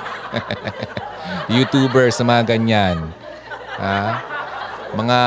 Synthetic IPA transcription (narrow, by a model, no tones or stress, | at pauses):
jut̪uːbɛɹsɐmɐaɡɐɲan | ʔa | mɐŋa